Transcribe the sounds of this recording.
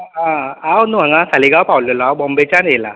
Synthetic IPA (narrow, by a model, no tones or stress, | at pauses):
ɦãawnuɦãŋɡãsaliɡawpawləlɔawbɔ̃mbet͡ɕanela̰